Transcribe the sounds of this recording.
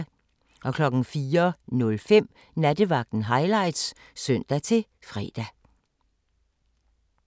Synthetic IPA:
ʔɒ̽kʰlɒ̽ɡ̥n̩fiːɐnɔ̽lfem̰ | næd̥əʋɑ̈ɡ̥̚d̥n̩ɦɑ̈ɪlɑ̈ɪ̰d̥s | sœn̰d̥æt͡sʰe̝ | fʁɛ̰ːd̥æ

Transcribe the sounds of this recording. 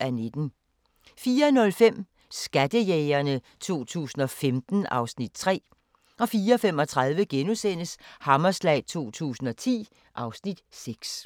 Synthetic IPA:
æned̥n̩ | fiːɐnɔ̽lfem̰ | sɡ̥æd̥əjɛːɪɐnət͡sʰo̝̰ːt͡sʰṵːsn̩ɒ̽femd̥n̩ɑ̈ʊsnid̥̚t͡sʰʁɛ̰ː | ɒ̽fiːɐɒfem̰ɒ̽t͡sʰʁɑ̈ð̞ˠʋəɡ̥enusen̰əshɑ̈mɐslɛ̰ɪt͡sʰo̝̰ːt͡sʰṵːsn̩ɒ̽t͡sʰḭː | ʔɑ̈ʊsnid̥seɡ̥s

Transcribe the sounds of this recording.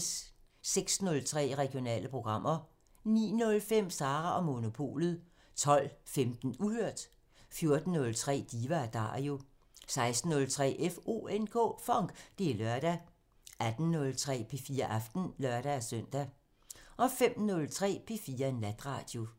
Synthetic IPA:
s | seɡ̥snɔ̽lt͡sʰʁɛ̰ːʁɛɡ̥io̝nɛ̰ːləpʰʁo̝ɡ̥ʁɑ̈m̰ʔɐ | nḭːnɔ̽lfem̰sɑ̈ːʁɑʔɒ̽mo̝no̝pʰo̝̰ːlð̞̩ˠ | t͡sʰɒ̽l̰femd̥n̩uhøɐ̰d̥ | fjo̝ɐd̥n̩ːɔ̽lt͡sʰʁɛ̰ːd̥iːʋæd̥ɑ̰̈ːo̝ | sɑ̈ɪsd̥n̩ːɔ̽lt͡sʰʁɛ̰ːʔefo̝̰ːenkʰɔ̰ːfɒ̽ŋ̰ɡ̥d̥e̝lɶɐɾ̥æ | ʔæd̥n̩ːɔ̽lt͡sʰʁɛ̰ːpʰe̝fiːɐʔɑfd̥n̩lɶɐɾ̥ææsœn̰d̥æ | ʔɒ̽fem̰nɔ̽lt͡sʰʁɛ̰ːpʰe̝fiːɐenlæd̥ʁɑ̰̈ːd̥jo̝

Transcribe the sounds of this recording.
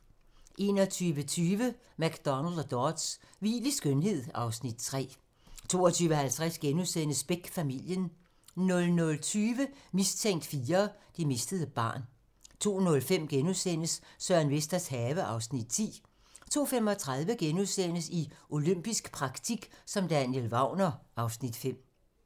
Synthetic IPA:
ʔe̝ːnɒ̽t͡sʰyːʋət͡sʰyːʋə | mæɡ̥d̥ɒ̽næld̥d̥ɒd̥sʋḭːlisɡ̥ønɦe̝ð̞̰ˠɑ̈ʊsnid̥̚t͡sʰʁɛ̰ː | t͡sʰo̝ːɒt͡sʰyːʋɦælt͡sʰʁæsɡ̥enuðˠsen̰əsb̥eɡ̥fæmil̰jən | nɔ̽lnɔ̽lt͡sʰyːʋəmist͡sʰeŋ̰d̥fiːɐd̥ime̝sd̥əð̞̩ˠəb̥ɑ̰̈ːn | t͡sʰo̝̰ːnɔ̽lfem̰ɡ̥enuðˠsen̰əsːœɐnʋesd̥ɐshɛːʋəʔɑ̈ʊsnid̥̚t͡sʰḭː | t͡sʰo̝̰ːfemɒ̽t͡sʰʁɑðˠʋəɡ̥enuðˠsen̰əsiʔo̝løm̰b̥isɡ̥pʰʁɑ̈ɡ̥t͡sʰiɡ̥sɒ̽md̥ænjelʋɑ̈ʊ̰nɐɑ̈ʊsnid̥fem̰

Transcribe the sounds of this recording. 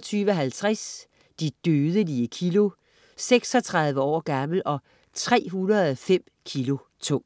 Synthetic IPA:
t͡sʰyːʋəɒɦælt͡sʰʁas | d̥id̥øːð̞ˠəliəkʰilo̝ | seɡ̥sɒ̽t͡sʰʁɑ̈ð̞ˠʋəɒ̰ːɡ̥ɑml̩ʔɒ̽ | t͡sʰʁɛ̰ːɦunɐð̩ˠɒfem̰kʰilo̝ | t͡sʰɔ̽ŋ̰

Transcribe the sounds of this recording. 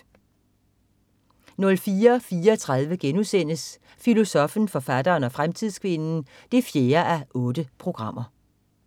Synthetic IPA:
nɔ̽lfiːɐfiːɐt͡sʰʁɑð̞ˠʋəɡ̥enusen̰əs | filo̝sɒ̽fn̩fɒ̽fæd̥ɐːnɒ̽fʁamt͡sʰið̞̰ˠskʰʋe̝nn̩ | d̥efje̝ːɐʔæʔɔ̽ːd̥əpʰʁo̝ɡ̥ʁɑ̈m̰ɐ

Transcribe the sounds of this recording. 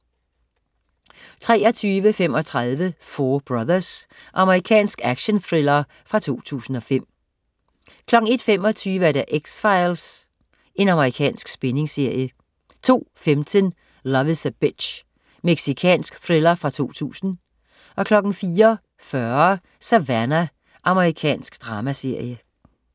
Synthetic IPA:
t͡sʰʁɛːɒ̽t͡sʰyːʋəfem̰ɒ̽t͡sʰʁaðˠʋəfɔːb̥ʁɑðˠɐs | ʔɑ̈məʁikʰɛ̰ːnsɡ̥æɡ̥ɕonθʁelɐ | fʁɑ̈t͡sʰo̝̰ːt͡sʰṵːsn̩ɒ̽fem̰ | kʰlɒ̽ɡ̥ŋ̩e̝d̥fem̰ɒ̽t͡sʰyːʋəæɐɾæʔeɡ̥sfɑ̈ɪls | e̝nɑ̈məʁikʰɛ̰ːnsɡ̥sb̥ene̝ŋse̝ɐ̰jə | t͡sʰo̝̰ːfemt͡sʰən | lɒʋəsæb̥e̥ɕ | meɡ̥sikʰɛ̰ːnsɡ̥θʁelɐfʁɑ̈t͡sʰo̝̰ːt͡sʰṵːsn̩ | ʔɒ̽kʰlɒ̽ɡ̥n̩fiːɐ | fɶɐ | sæʋænæ | ʔɑ̈məʁikʰɛ̰ːnsɡ̥d̥ʁɑ̈ːmæse̝ɐ̰jə

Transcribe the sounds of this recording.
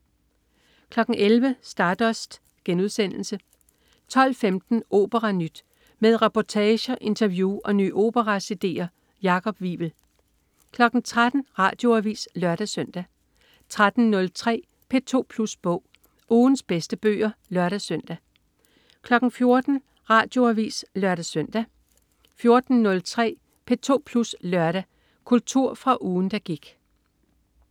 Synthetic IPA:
kʰlɒ̽ɡ̥ŋ̩ʔelʋəsd̥ɑ̈ːd̥ɒ̽sd̥ | ɡ̥enuð̞ˠsen̰l̩sə | t͡sʰɒ̽l̰femd̥n̩ʔo̝̰ːb̥əʁɑ̈nyd̥ | með̞ˠʁɛpʰɒt͡sʰɛːɕɐʔe̝nt͡sʰɐʋjuːʔɒ̽ny̰ːʔo̝̰ːb̥əʁɑsed̥e̝̰ːɐ | jɑ̈kʰɒ̽b̥ʋḭːb̥l̩ | kʰlɒ̽ɡ̥n̩t͡sʰʁad̥n̩ʁɑ̰̈ːd̥jo̝æʋḭːslɶɐɾ̥æsœn̰d̥æ | t͡sʰʁad̥n̩nɔ̽lt͡sʰʁɛ̰ː | pʰe̝t͡sʰo̝̰ːpʰlusb̥ɔ̰ʊ̰ | uːnsb̥esd̥əb̥ø̰ːɐlɶɐɾ̥æsœn̰d̥æ | kʰlɒ̽ɡ̥n̩fjo̝ɐd̥n̩ | ʁɑ̰̈ːd̥jo̝æʋḭːslɶɐɾæsœn̰d̥æ | fjo̝ɐd̥n̩nɔ̽lt͡sʰʁɛ̰ː | pʰe̝t͡sʰo̝̰ːpʰluslɶɐɾ̥æ | kʰult͡sʰuɐ̰fʁɑ̈ʔuːn̩d̥æɡ̥iɡ̥

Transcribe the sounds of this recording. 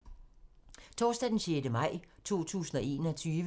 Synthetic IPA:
t͡sʰɒːsd̥ɛd̥enɕeːdəmɑ̈ɪ̰t͡sʰo̝̰ːt͡sʰṵːsn̩ɒ̽e̝̰ːnɒt͡sʰyːʋə

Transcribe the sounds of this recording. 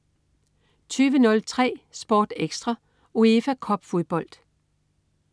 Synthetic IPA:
t͡sʰyːʋənɔ̽lt͡sʰʁɛ̰ːsb̥ɒːd̥eɡ̥sd̥ʁɑ | oefækʰɒ̽b̥fo̝ðˠb̥ɒ̽l̰d̥

